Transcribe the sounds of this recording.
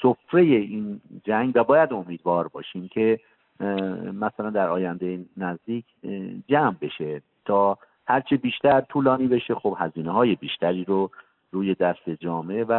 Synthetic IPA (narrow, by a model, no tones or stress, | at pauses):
sofɾe̞je̞iːnd͡ʒæŋɡvæbɒːjæd̪o̞miːd̪vɒːɾbɒːʃiːmcʰe̞ | mæsælænd̪æɾɒːjænd̪ejenæzd̪iːkʰd͡ʒæmbe̞ʃe̞ | t̪ʰɒː | hæɾt͡ʃʰibiːʃt̪æɾt̪ʰuːlɒːniːbe̞ʃexob̥hæziːneɦɒːje̞biːʃt̪æɾiːɾo | ɾuːje̞d̪æst̪e̞d͡ʒɒːme̞væ